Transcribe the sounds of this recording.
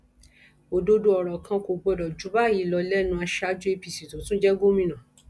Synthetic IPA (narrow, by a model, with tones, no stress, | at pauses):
o˨do˧du˧ɔ˨ɾɔ˨kʰã˧ko˨ɡ͡bɔ˧dɔ˨d͡ʒu˨˦ba˦˨ji˨˦lɔ˧lɛ˦nũ˧a˧ʃa˦d͡ʒu˦e˧pi˨si˨tũ˨˦tũ˦d͡ʒɛ˦ɡo˦mĩ˧nã˨